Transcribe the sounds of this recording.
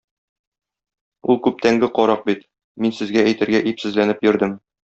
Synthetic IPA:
ulˠkʉp̚t̪æŋɡɘqɒɾɑq̚bit̪ | minsɘ̆zɡææjt̪ɘ̆ɾɡæʔipsɘ̆zlænɘpjɵ̆ɾd̪ɘm

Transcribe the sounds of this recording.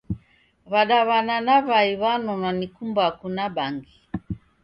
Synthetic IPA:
βaɗaβananaβaiβanɔnanikumbakunaɓaŋɡi

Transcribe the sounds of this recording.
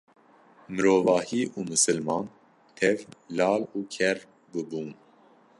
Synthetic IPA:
məɾovɑhiːʔumɨsəlmɑn | t̪ʰɛvlɑːlukʰɛɾ | bəbun

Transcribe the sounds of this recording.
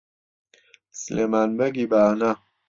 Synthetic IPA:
slemanbɐɡibaːna

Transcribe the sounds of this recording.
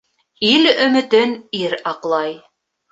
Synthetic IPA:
ilɵ̆mɘ̆t̪ɘniɾɑqlˠɑj

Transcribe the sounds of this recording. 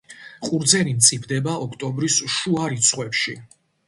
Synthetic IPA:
qʼuɾd̪zɛɾint̪sʼipʰd̪ɛbaɔkʰt̪ʼɔmbɾisʃuaɾit̪sʰχwɛpʃḭ

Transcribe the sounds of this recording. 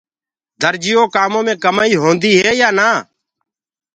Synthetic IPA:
d̪ʱəɾd͡ʒɪjoːkaːmõːmẽːkəmaːiːɦõːnd̪iːɦeːjaːnaː

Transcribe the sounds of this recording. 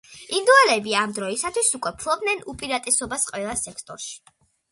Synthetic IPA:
ind̪ualɛbiamd̪ɾɔisat̪ʰwisukʼwɛpʰlˠɔb̚nɛnupʼiɾat̪ʼɛsɔbasqʼwɛlˠasɛkʰt̪ʼɔɾʃi̥

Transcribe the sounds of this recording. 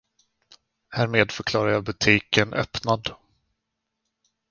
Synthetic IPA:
hæːɾmeːd̪fœɾkʰlɑːɾajɑːbɵt̪ʰiːkənʔœ̰pnad̪

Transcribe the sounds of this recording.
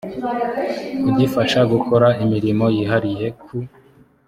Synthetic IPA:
uɟifaʃaɡukʰo̞ɾaimiɾimo̞jiɦaɾije̞kʰu

